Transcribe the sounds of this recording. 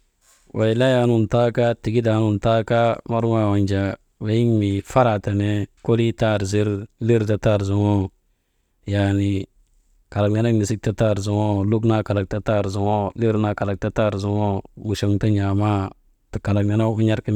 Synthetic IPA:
wʔa˨i˨la˦ja˨nu˨nta˦ka˦ti˨ɡi˦da˨˦nu˨nta˦ka˦ma˦ɾwa˦˨wa˨ɲd͡ʒa˨ | we˨˦ji˦ŋmi˨fa˦ɾa˨ta˨ne˦ko˦li˦ta˦˨ɾzi˦ɾli˦ɾta˦ta˦˨ɾzu˨ŋo˦ | ja˨ni˨ | ka˨la˨kna˦na˦mi˨si˦k̚ta˦ta˦˨ɾzu˨ŋo˦lu˦kna˦ka˨la˨k̚ta˦ta˦˨ɾzu˨wo˦li˦ɾna˨ka˨la˨k̚ta˦ta˦˨ɾzu˦ŋo˦mu˨ʃo˨ŋta˦ɲa˨ma˦ | ta˨ka˨la˨kna˦na˦u˦ɲa˦ɾka˦

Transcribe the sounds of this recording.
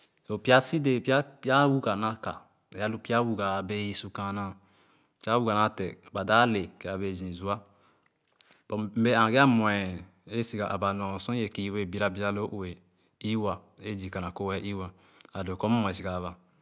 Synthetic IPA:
so˨pi˦a˦si˦de˦˨pi˦a˦pa˦wu˦ɡa˨nã˦ka̰˨ | e˨ja˦lu˦pi˦a˦wu˦ɡa˨be˦ji˦su˦kã˨nã˦ | pi˦a˦wu˦ɡa˨na˦tɛ˨ba˨da˦le˨ke˨a˨be˨zĩ˨zu˨˦a˦ | bɔ˨m̩˦be˦ã˨ɡe˦a˦mwɛ˨ | e˦si˨ɡa˨ʔa˨ba˨nɔ̃˨sɔ̃˦e˨ki˦we˦˨bi˦ɾa˦bi˦a˦lo˦ʔo˨e˨ | i˦wa˨e˦d͡ʒi˨ka˨na˨ko˦wɛ˦ʔi˦wa˨ | a˨do˨kɔ˦m˦ɔ̃˨e˨s̬i˨kaː˨βa˨

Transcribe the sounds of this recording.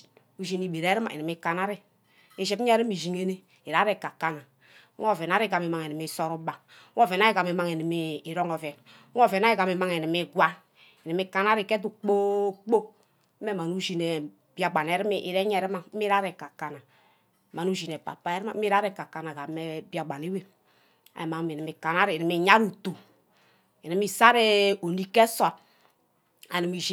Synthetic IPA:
u˦ʒi˨ni˨bi˨ɾɛ˨˦ɾi˦ma̰˨i˨ni˨mi˦ka˨na˦ɾi˦ | e˨ʃɛ˨bi˦ɛ˦ɾi˦mi˨zi˨ŋe˦ne˦ | i˨ɾa˨˦ɾɛ˨ka˨ka˦na˨˦ | ɔ˦vɛ˨na˨˦ɾi˦˨ɡa˨mi˨ma˨ŋe˨ni˨mi˦˨sɔ˦ɾu˦ba˨˦ | ŋɔ˦vɛ˨na˦i˦ɡa˨mi˨ma˦˨ŋe˨ni˨miː˨˦˨ɾɔ˦ŋɔ˨vɛ˨n˦ | ɔ˦˨vɛ˨na˦i˦ɡa˨m˨i˨ma˦ŋe˨ni˨mi˦ɡwa˦ | i˨ni˨mi˦ka˦na˦ɾi˨kɛ˦t̬u˦˨k͡po˦k͡po˦ | m˦ɛ˦˨ma˨nu˦ʒi˨nɛ˨ | bi˦a˨ɡ͡ba˨nɛ˨ɾi˦mi˨ʔi˨ɾɛ˦ɲɛ˨ɾi˦ma˦˨˦i˦ɾa˦ɾɛ˨ka˨ka˨na˨ | ma˨nu˦ʒi˨nɛ˨pa̰˨pa˦ɛ˦ɾma˨˦i˦ɾa˦ɾɛ˨ka˨ka˨na˨ɡa˨˦e˦ba˨ɡ͡ba˨ne˨˦we˦ | a̰˨e˨ma˨˦mi˨ni˨mi˨ka˨na˦ɾi˨ni˨mi˨ɲa˦ɾu˨tu˨ | e˨ni˨mi˨sa˦ɾe˦o˨ni˦kɛ˦sa˨ | a̰˨ni˨mi˨ʒi˦

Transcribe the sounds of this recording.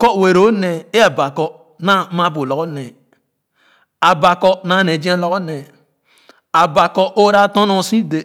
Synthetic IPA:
kɔ˦˨we˨ɾo˦nɛ˨e˦a˨ba˨kɔ˦ | na˦ma˦bo˨lɔ˨ko˦nɛ˨ | a˨ba˨kɔ˦na˦˨ne˨d͡ʒĩ˦a˦lɔ˦ko˦nɛ˨ | a˨ba˨kɔ˦ʔo˦ɾa˦tɔ̃˦nɔ̃˦˨sĩ˦de˨

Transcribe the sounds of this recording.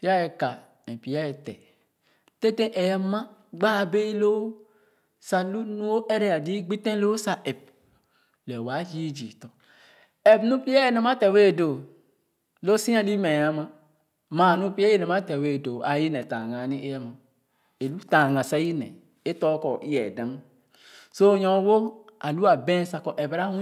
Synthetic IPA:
pi˦a˦e˨ka˨ | ẽ˨pi˨ja˦e˨tɛ̰˨ | te˦te˦ʔe˨ja˦ma˦ɡ͡ba˦˨be˦lo˦ | sa˨lu˦nu˦o˦ʔe˦ɾe˦a˨di˦ɡ͡bi˦tẽ˦lo˦sa˨ʔe˨p̚ | lɛ˨wa˨˦d͡ʒi˦d͡ʒḭ˨tɔ˨ | e˨pnu˦pi˦a˦e˦ne˨ma˦tɛ˨we˦˨do˨ | lo˦sĩ˦a˦li˦me˨a˦ma˦ | ma˨nu˦pi˦e˦je˦ne˨ma˦tɛ˨we˦˨do˨a˨ji˦nɛ˨tã˨ŋa˨˦ni˦e˦jɛ˦ma˨ | e˨lu˦tã˨ŋa˨sa˨˦ji˦nɛ̰˨ | e˦tɔ˦kɔ˨ʔi˦jɛ̰˨da˨m˦ | so˦˨ɲɔ̃˨˦wo˦a˨lu˦a˨bẽ˦n˦sa˨kɔ˨ʔɛ˨bɾa˦hũ˦

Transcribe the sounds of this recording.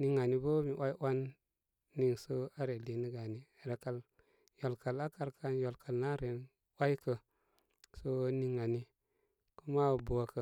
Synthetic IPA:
ni˨˦ŋa˨ni˦bə˦mi˨ʔa˦jwa˦nː | i˨ŋsə˦a˦ɾe˨li˨ni˦ɡa˨ni˨ɾe˨ka˨l | jo˨lka˨la˦ka˨ɾkʰa˦njo˨lka˨lna˦ɾe˨n | wa˦i˦kə˨ | so˦ni˨ŋːa˨ni˦ | ku˦ma˦˨bo˨a˨kə˨

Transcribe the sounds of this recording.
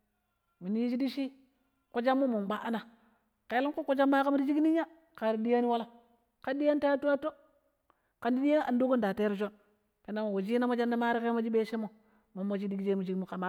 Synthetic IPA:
mi˨ni˦i˦d͡ʒi˦di˦ʃi˦ | ku˨˦d͡ʒa˦mːo˦mu˨m˨ba˦ʔa˦na˨ | ka˨˦li˦ŋku˦ku˦d͡ʒa˦ma˦ka˦mu˦ɾi˦d͡ʒi˦kni˦ɲa˦ | ka˨ɾi˨di˦ja˦ni˦wa˦la˦ | ka˦di˦ja˦n˦ta˦tu˦a˦to˦ | ka˨ndi˦di˦ja˦a˨ndo˦ku˦n˨da˨te˦ɾd͡ʒo˦n | ke˨na˦mo˨wo˨d͡ʒi˦na˦mo˦d͡ʒa˦nda˦ma˦ɾi˦ke˦mo˦d͡ʒi˦be˦ʃe˦mo˨ | mo˨mːo˨d͡ʒi˦di˦ɡd͡ʒe˦mu˨d͡ʒi˦kmu˦ka˨ma˦˨

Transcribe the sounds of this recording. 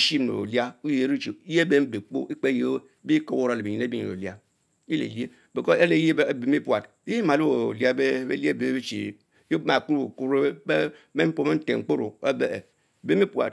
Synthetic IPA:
ʃi˦m˨no̰˨o̰˨li˦a˦u˦je˨ɾi˦t͡ʃḭ˨˦je˦be˦m̩˦be˨k͡po̰˦i˦k͡pe˦je˦bi˦ko˨wo˦ɾa˨le˨e˨ɲi˨ne˦bḭ˦˨o̰˨li˦a˦ | i˦lḛ˨li˦e˦ | be˨ko˦e˦le˨˦je˦be˨m˦i˦pu˨a˨t | i˦ma˨lu˦o˨li˦a˦be˦ḛ˦li˦e˦be˨˦e˦t͡ʃḭ˨˦ | je˦ma˨ku˦ɾo˨ku˦ɾe˦me˦m̩˦po˦˨me˦n̩˦tḛ˨ŋ̩˨k͡po˦ɾo̰˨o˦bḛ˨ | be˦mi˦pwa̰˨t̚

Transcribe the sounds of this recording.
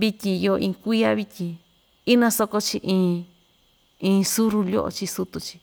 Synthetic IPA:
βi˧tʲĩ˧jo˧ʔĩ˧kʷi˦a˦βi˧tʲĩ˧ | i˦nã˧so˧ko˧t͡ʃi˧ʔĩː˧ | ĩː˧su˦ɾu˧lo̰˦ʔo̰˧t͡ʃi˧su˦t̪u˧t͡ʃi̥˧

